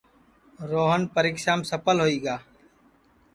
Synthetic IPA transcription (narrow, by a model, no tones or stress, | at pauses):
ɾoːɦənpəɾiːkʃaːmsəpəlɦoːiːɡaː